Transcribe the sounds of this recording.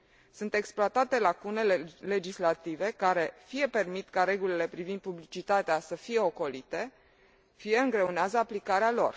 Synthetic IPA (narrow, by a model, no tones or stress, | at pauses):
sunt̪e̞ksploat̪at̪e̞lakune̞le̞d͡ʒislat̪ive̞kaɾe̞fije̞pe̞rmit̪kaɾe̞ɡulile̞pɾivind̪̚publit͡ʃit̪at̪easəfije̞o̞ko̞lit̪e̞ | fije̞ɨŋɡɾe̞uneazəaplikaɾealo̞̰r